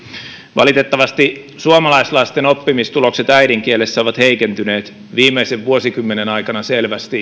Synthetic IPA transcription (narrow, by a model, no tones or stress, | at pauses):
ʋɑ̰lit̪et̪ːɑʋɑst̪i | suomɑlɑislɑist̪eno̞pːimist̪ulo̞kset̪æjdiŋkielesːæoʋɑt̪heikent̪yne̞ːt̪ | ʋiːmeiseʋʋuosikymːenenɑikɑnɑselʋæst̪i